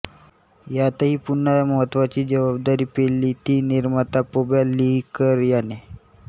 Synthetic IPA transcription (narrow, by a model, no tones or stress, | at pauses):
jat̪aɦiːpunːəməɦət̪ːʋat͡ɕiːd͡ʑəʋab̚d̪aɾiːpelːiːt̪iːniɾmat̪apobalːikəɾjane